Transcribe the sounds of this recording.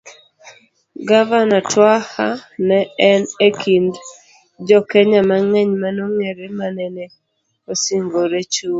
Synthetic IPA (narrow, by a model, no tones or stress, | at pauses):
ɡavanatwahanɛːnekʰind | d͡ʒɔkɛɲamaŋɛɲmanoŋeɾemanɛne | osiŋɡoɾet͡ʃu